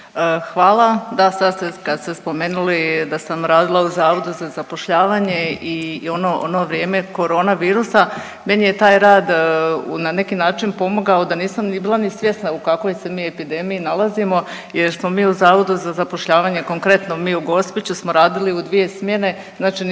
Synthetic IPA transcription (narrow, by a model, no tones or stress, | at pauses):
xʋaːlˠad̪asad̪st̪ekast̪espo̞meːnulid̪asamɾaːd̪ilˠauzaːʋo̞d̪uzazapo̞ʃʎaːʋaːɲe̞io̞noʔo̰no̞ʋɾje̞ːme̞ko̞ɾo̞ːnaʋiːɾusa | me̞nije̞t̪aːjɾaːd̪̰nane̞kinaːt͡ʃinpo̞moɡaod̪aniːsamnibiːlˠanisʋje̞snaukako̞jse̞miːe̞pid̪e̞mijinalˠazimo̞ | je̞ɾsmo̞miːuzaːʋo̞d̪uzazapo̞ʃʎaːʋaːɲe̞ko̞ŋkɾe̞t̪no̞miːuɡo̞spit͡ɕusmo̞ɾaːd̪iliud̪ʋije̞smje̞ne̞ | znaːt͡ʃin